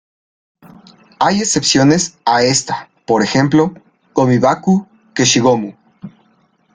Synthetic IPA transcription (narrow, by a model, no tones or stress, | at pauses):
aje̞se̞psjo̞ne̞sae̞st̪ḁ | po̞ɾe̞xe̞mplo̞ | ɡo̞miβaku | ke̞ʃiɣo̞mu